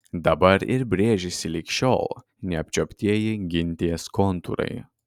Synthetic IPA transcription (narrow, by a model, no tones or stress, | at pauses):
d̪ɐbɐɾɪ̰ɾbʲɾʲeːʒʲɪsʲɪlʲɪkʃʲoːlˠ | nʲɛɐpʲt͡ʃʲopʲt̪ʲiɛjɪɡʲɪnʲt̪ʲiɛskɔnt̪uɾɐ̰ɪ